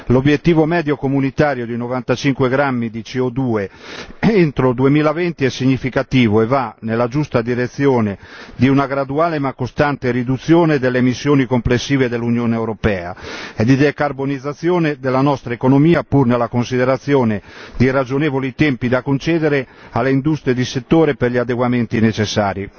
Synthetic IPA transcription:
lobjet̪ːiːvomɛːd̪jokomunit̪aːɾjod̪inovant̪at͡ʃiŋkweɡɾamːid̪it͡ʃiod̪uːe | ent̪ɾod̪uemiːlavɛnt̪iɛsːiɲːifikat̪iːvoɛvːanelad͡ʒust̪ad̪iɾet̪sːjɔːned̪iunaɡɾad̪uaːlemakːost̪ant̪eɾid̪ut̪sːjɔːned̪elːemisːjoːnikomplesːiːved̪elːunjɔːneɛwɾopɛːa̰ɛd̪id̪ɛkarbonid̪zːat̪sːjɔːnɛd̪ɛlːanɔst̪ɾaekonomiːapuɾnɛlːakonsid̪ɛɾat̪sːjɔːned̪irad͡ʒonɛːvolit̪ɛmpid̪akont͡ʃɛːd̪ɛɾɛ | alːeind̪ust̪ɾied̪iset̪ːoːɾɛpɛɾʎiad̪ɛɡwamɛnt̪inɛt͡ʃɛsːaːɾi

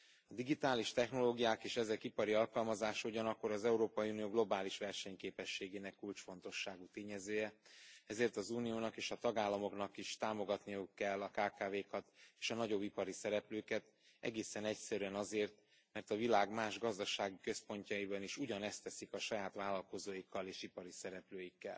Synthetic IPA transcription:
ɒd̪iɡit̪aːliʃt̪ɛxno̞loːɡijaːkeːʃɛzɛkipɒɾiɒlkɒlmɒzaːʃɒuɟɒnɒkːo̞ɾɒzɛuɾoːpɒjiunijoːɡlo̞baːliʃʋɛrʃɛɲkeːpɛʃːeːɡeːnɛkːult͡ʃfo̞nt̪o̞ʃːaːɡut̪eːɲɛzøːjɛɛzeːrt̪ɒzuːnijoːnɒkeːʃɒt̪ɒɡaːlːɒmo̞kn̪ɒkiʃt̪aːmo̞ɡɒt̪nijukːɛlːɒkaːkaːveːkɒt̪eːʃɒnɒɟo̞bːipɒɾisɛɾɛpløːkɛt̪ | ɛ̰ɡeːsɛnɛcsɛɾyɛnɒzeːrt̪ | mɛrt̪ɒvilaːɡmaːʒɡɒzd̪ɒʃaːɡikø̞spo̞ɲcɒibɒniʃuɟɒnɛst̪ɛsikɒʃɒjaːt̪ʋaːlːɒlko̞zoːjikʰːɒleːʃipɒɾisɛɾɛpløːjikːɛ̰l

